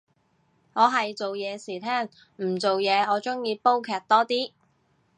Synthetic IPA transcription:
ŋɔː˨˧ɦɐ˨jt͡so˨wjɛː˨˧siː˨˩t̪ʰɛː˥ŋ | m̩˨˩t͡so˨wjɛː˨˧ɔː˨˧t͡sʊ˥ŋjiː˧po˥wkʰɛː˧˩k̚t̪ɔː˥t̪iː˥

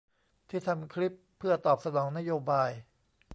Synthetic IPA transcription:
t̪ʰiː˥˩t̪ʰa˧mkʰɾi˦˥pʰːɯ˥˩ɐt̪ɔː˨˩p̚sa˧nɔː˩˦ŋna˦˥joː˧baː˧j

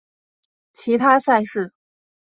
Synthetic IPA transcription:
t͡ɕʰi˧˥t̪ʰa˥sa˥˧ɪʂɻ̩˥˩

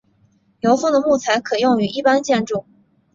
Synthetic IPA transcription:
jo˧˥ʊfo˥˩ŋd̪ə˩mu˥˩t͡sʰa˧˥ɪkʰɤ˨˩jʊ˥˩ŋy˧˥ʔi˥˩pa˥nt͡ɕjɛ˥˧nʈ͡ʂu˥˩

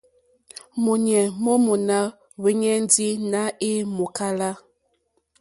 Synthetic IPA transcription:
mu˨ɲ˨ɛ˨mɔ˦mu˨na˦ | we˦ɲɛ˦n˦di˦na˦e˦mu˨ka˦la˦

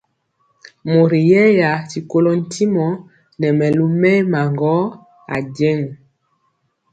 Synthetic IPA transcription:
mo˨ɾi˨jɛ˦ja˨ti˨ko˦lo˨n̩˨tʰi˦mɔ˨ | nɛ˨mɛ˨lu˦mɛ˦ma˨ŋɡɔ˦ | a̰˨dɛ˦ŋ˨

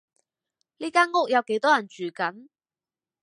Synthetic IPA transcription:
liː˥kaː˥nŋʊ˥k̚jɐ˨˧wke˨˥jt̪ɔː˥jɐ˨˩nt͡ʃyː˨˩kɐ˨˥n

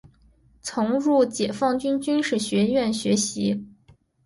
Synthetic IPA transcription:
t͡sʰʊ˧˥ŋɻu˥˩t͡ɕjɛ˨˩fɑ˥˩ŋt͡ɕy˥nt͡ɕy˥nʂɻ̩˥˩ɕɥɛ˧˥ɥɛ˥˩nɕɥɛ˧˥ɕi˧˥

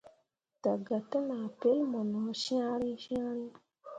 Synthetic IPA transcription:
ta˨ɡa˨tːə˦na˨pe˦lmɔ˨nɔ˨˦ʃã˦ɾi˦ʃã˦ɾi˦

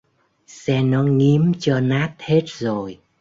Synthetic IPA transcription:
sɛ˧nɔ˨˦ŋi˨˦əmt͡ɕɔ˧naː˦˥t̚he˦˥t̚zo˨˩j

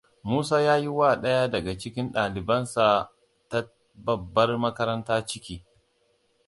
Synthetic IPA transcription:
muː˦saː˦jaː˦ji˦waː˦˨ɗɐ˦ja˦dɐ˨ɡa˨t͡ʃɪ˦kʲɪ˦nɗaː˨lɪ˨bɐ˦nsa˨ | ta˦ | bɐ˨bːɐ˦rmɐ˦kɐ˦ɾɐ˦ntaː˦t͡ʃɪ˦kʲiː˦

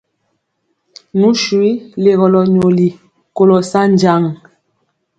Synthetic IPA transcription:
nu˨˦ʃwi˦le˨ɣɔ˨lɔ˨ɲo˨li˨ | ko˨lɔ˨sa˦nd͡ʒa˦˨ŋ

